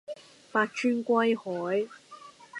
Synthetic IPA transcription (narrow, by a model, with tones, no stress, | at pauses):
paː˧t̚t͡ʃʰyː˥nkʷɐ˥jhɔː˨˥j